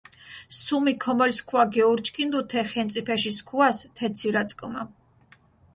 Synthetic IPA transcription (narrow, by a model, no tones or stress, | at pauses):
sumikʰɔmɔlskʰwaɡɛuɾt͡ʃʰʼkʰind̪ut̪ʰɛχɛnt̪sʼipʰɛʃiskʰuast̪ʰɛt̪sʰiɾat̪sʼkʼma